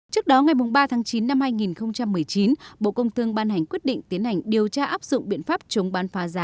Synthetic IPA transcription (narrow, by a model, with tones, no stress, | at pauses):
t͡ɕɨ˦˥ək̚ɗɔ˨˦ŋa˨˩jmʊ˨˩ŋ͡mɓaː˧t̪ʰaː˨˦ŋt͡ɕi˨˦nːa˧mhaː˧jŋi˨˩nxə˧wŋ͡mt͡ɕa˧mːɨ˨˩əjt͡ɕi˨˦nɓo̰˧˨kə˧wŋ͡mt̪ʰɨ˧əŋɓaː˧nha˨˩jŋ̟kwi˦˥ət̚ɗḭ˧˨ŋ̟t̪i˨˦ənha˨˩jŋ̟ɗi˨˩əwt͡ɕaː˧ʔaː˦˥p̚zʊ̰˧˨ŋ͡mɓḭ˧˨ənfaː˦˥p̚t͡ɕə˨˦wŋ͡mɓaː˨˦nfaː˨˦zaː˨˦